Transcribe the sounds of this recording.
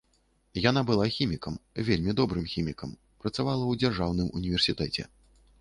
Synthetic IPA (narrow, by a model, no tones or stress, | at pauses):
janabɨlˠaxʲimʲikɐmvʲelʲmʲid̪ɔbɾɨmxʲimʲikɐm | pɾɐt̪savalˠɐwd͡zʲarʐawn̪ɨmṵnʲivʲɛrsʲit̪ɛt͡sʲɛ̰